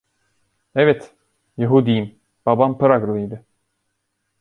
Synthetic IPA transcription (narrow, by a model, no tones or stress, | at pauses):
evɛt̪ | jeɦud̪ijim | b̥abampɯɾaɡlˠɯjd̪ɯ